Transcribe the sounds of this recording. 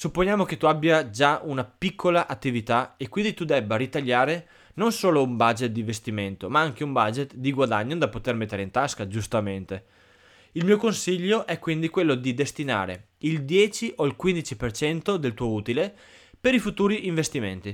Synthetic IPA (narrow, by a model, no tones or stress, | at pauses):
supːonjaːmoket̪ːuabːjad͡ʒaunapikʰːolaʔat̪ːivit̪aekwind̪it̪ud̪ɛbːaɾit̪aʎːaːɾe | nonsoːloumbad͡ʒet̪̚d̪ĩɱvest̪iment̪omaaŋk̟eumbad͡ʒet̪d̪iɡwad̪aɲːod̪apot̪ermet̪ːeɾeint̪askad͡ʒust̪ament̪e | ilmiːokonsiʎːoʔɛkːwind̪ikwelːod̪id̪est̪ina̰ːɾḛ | ild̪jɛːt͡ʃiʔoilkwind̪it͡ʃipert͡ʃɛnt̪od̪elt̪uːouːt̪ile | peɾifut̪uːɾiʔiɱvest̪iment̪i